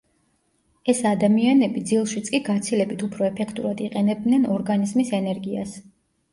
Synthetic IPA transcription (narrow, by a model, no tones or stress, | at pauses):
ɛsad̪amianɛbid̪zilˠʃit̪sʼkʼiɡat̪sʰilɛbit̪ʰupʰɾɔɛpʰɛkʰt̪ʼuɾad̪iqʼɛnɛb̚d̪nɛnɔɾɡanizmisɛnɛɾɡias